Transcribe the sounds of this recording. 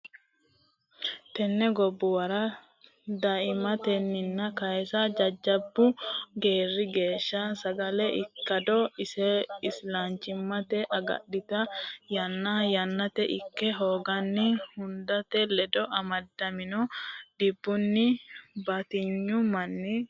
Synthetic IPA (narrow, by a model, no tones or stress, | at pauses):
t̪ɛnːɛɡɔbːʊwɐɾɐ | d̪ɐʔɪmɐt̪ɛnːɪnːɐkɐɛsɐd͡ʒɐd͡ʒːɐbːʊɡe̞ːrːɪɡe̞ːʃːɐsɐɡɐlɛʔɪkːɐd̪ɔɪsɛɪslant͡ʃːɪmːɐt̪ɛʔɐɡɐ̰ɗːɪt̪ɐjɐnːɐjɐnːɐt̪ɛʔɪkːɛɦo̞ːɡɐnːɪhʊnd̪ɐt̪ɛlɛd̪ɔʔɐmɐd̪ːɐmɪnɔd̪̥ɪbːʊnːɪbɐt̪ɪɲːʊmɐnːɪ